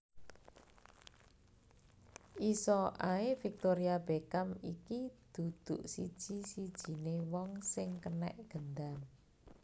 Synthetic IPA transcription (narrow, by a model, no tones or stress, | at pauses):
ʔisɔʔaefik̚t̪oɾiab̥ekamikid̪̥ṳd̪̥uʔsid̥ʒ̥i̤sid̥ʒ̥i̤newɔŋsɪŋkənɛ̰ʔɡ̥ənd̪an